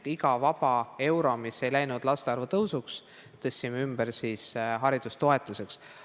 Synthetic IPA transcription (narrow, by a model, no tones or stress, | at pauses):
iɡɑvɑb̥ɑe̞wɾo̞misːe̞jlæjnud̪̥lɑst̪eɑrvut̪ɤwsuks | t̪ɤsʲːimeymb̥eɾsisɦɑɾid̪̥ust̪o̞e̞t̪ˑuse̞ks